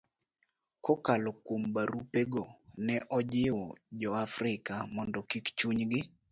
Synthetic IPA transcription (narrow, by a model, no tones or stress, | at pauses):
kɔkalɔkwombaɾupeɡonɛʔɔd͡ʒɪwɔd͡ʒɔafɾɪkamɔndɔkikt͡ʃuɲɡɪ